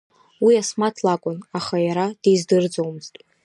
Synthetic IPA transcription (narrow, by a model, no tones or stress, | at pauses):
wiasmatʰlakʷʼʊnaχajaɾad̥ejzdɨrd͡zowmɨztʼ